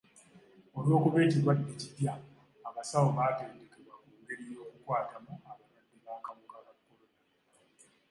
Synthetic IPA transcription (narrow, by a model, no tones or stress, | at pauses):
olwo̞ːkuβe̞ːciɾwadːecidjaː | masawoβaːteːnde̞keβwakuːŋɡe̞ɾijo̞ːkukwaːtʰamuaβanadːiβaːkamukakakːolona